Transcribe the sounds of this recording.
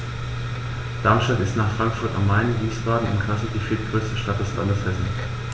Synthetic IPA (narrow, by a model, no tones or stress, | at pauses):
d̥aɐmʃtatɪstnaːχfʁ̥aŋkfʊɐtammaɪnviːsb̥aːdn̩ɪ̰mkʰl̥as̩diːfiɐt̚ɡ̥ʁøːstəʃtat̚d̥ɛslandəshɛsn̩